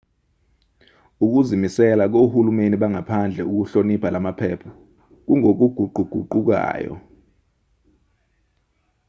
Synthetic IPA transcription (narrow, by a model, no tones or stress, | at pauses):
uk̬uzimisɛlak̬ohulumeniɓaŋapʰand͡ɮʱɛuk̬uɬonipʰalamapʰɛːpʰɔ̥ | k̬uŋok̬uɡ̥ʱuɡ͡ǃʱuɡ̥ʱuǃuk̬a̰ːjɔ̰